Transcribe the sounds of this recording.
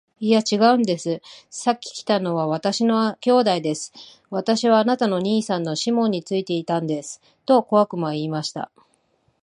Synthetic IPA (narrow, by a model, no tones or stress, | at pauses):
ijat͡ɕiɡaɯ̟̃nd̪e̞sɨsakʲːi̥kʲi̥t̪ano̞βaβat̪aɕino̞akʲo̞ːd̪aid̪e̞sɨ̥ | βat̪aɕiβaːnat̪ano̞ɲ̟iːsãnːo̞ɕimõ̞ɲ̟ːit͡sɨit̪e̞it̪ãnd̪e̞sɨ̥ | t̪o̞ko̞βakɯ̟maiːmaɕi̥t̪a̰